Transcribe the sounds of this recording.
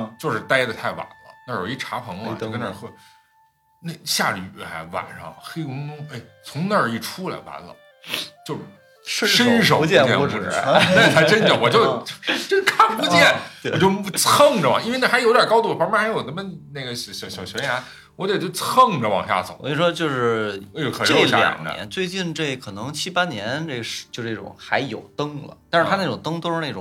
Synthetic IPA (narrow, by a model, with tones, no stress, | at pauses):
t͡ɕjo˥˧ʊʂɻ̩˥˩t̪a˥ɪd̪ə˨t̪ʰa˥˩ɪwa̰˨˩nlə̰˦na˥˧˩jo˨˩i˥˩ʈ͡ʂʰa˧˥pʰɤ˧˥ŋ˥˧˥ɡə˧nə̰˞˥˧˩xwe˥˩ | ne˥˩ɪɕja̰˥˩ly̰˨˩xa̰˧˥wa̰˨˩nʂɑ̰˥˩ŋxe˥ɪkʊ˥ŋt̪ʊ˥ŋe˥˩ɪt͡sʰʊ˧˥ŋna˥˩i˥˩ʈ͡ʂʰu˥la̰˧˩ɪpa̰˧˥nlə̰˧ | t͡ɕjo˥˧ʊ˥˩˥ | ʂə˥nʂ̬o˨˩ʊ˥˧t͡ɕjɛ˥˩˧ɻ̩̰˥˩˧na˥˧ʂ̩˥˩tʰa˧˥ɪʈ͡ʂə˥nɑ˧˥˩wɔ˨˩t͡ɕjo˥˧ʊt͡ɕo˥˩˥t͡ɕo˥˧kʰa˥˩npu˧˥t͡ɕjɛ˥˩nwt͡ɕjo˥˧ʊpu˥˩t͡sʰɤ˥˩ŋʈ͡ʂə˩w̰ŋi˥n˥˧na˥˩xɪjo˥d̪jɐ˨˩kɑ˥ʊu˥˩pm˥xa˧˥ɪjo˨˩nə˧˥mə˥˧na˥˩ɡə˩ɕɕɕɑ˨˩ʊɕɛ˧˥ja˧˥n | wɔ˧˥d̪e˨˩t͡ɕo˥˩ʊt͡sʰɤ˥˩ŋʈ͡ʂə˩wɑ̰˨˩ŋɕja̰˥˩t͡so˨˩˦wɔ˧˥i˧˩ʂwɔ˥t͡ɕjo˥˧ʊʂɻ̩˥˩˧jo˧˩kʰʈ͡ʂe˥˩ljɑ̰˨˩ŋnə̰˧jɛ̰˧˥nt͡swe˥˧ɪt͡ɕi˥˧nʈ͡ʂe˥˩kʰɤ˨˩nɤ˧˥ŋt͡ɕʰi˥pa˥njɛ˧˥nne˥˩ʂt͡ɕjʂ̩˥˩˥ʈ͡ʂʊ̰˨˩˦ŋxa˧˥ɪjo˨˩ʊt̪ɤ˥ŋlə̰˨t̪a˥˧ʂɻ̩˥˩t̪ʰa˥ne˥˩ʈ͡ʂʊ˨˩ŋt̪ɤ˥ŋt̪o˥ʊʂɻ̩˥˧e˥˩ʈ͡ʂʊ˨˩